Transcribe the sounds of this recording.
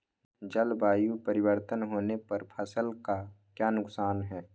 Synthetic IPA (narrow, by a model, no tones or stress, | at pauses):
d͡ʒəlbaːjupəɾɪwəɾt̪ənɦoːnepɐɾpʰəsəlka | kjaːnʊksaːnɦɛː